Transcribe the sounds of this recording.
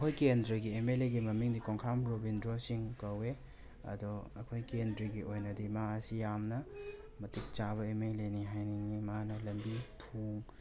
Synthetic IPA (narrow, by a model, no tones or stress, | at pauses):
kʰojkendɾɐɡiemeleɡimɐmiŋdikoŋkʰamɾobindɾosiŋkɐwe | ɐ̰dɔɐ̰kʰojkendɾiɡiojnɐdimaɐsijamnɐ | mɐtik̚t͡ʃaβɐemeleniɦajniŋimanɐlɐmbitʰuŋ